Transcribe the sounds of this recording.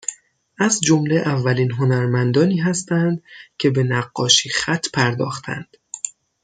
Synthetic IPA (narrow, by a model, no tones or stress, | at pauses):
ʔæzd͡ʒo̞mle̞ʔævːæliːnɦo̞næɾmænd̪ɒːniːɦæst̪ænd̪cʰe̞be̞næɢːɒːʃiːxæt̪ʰːpʰæɾd̪ɒ̰ːxt̪ʰæ̰nd̪̥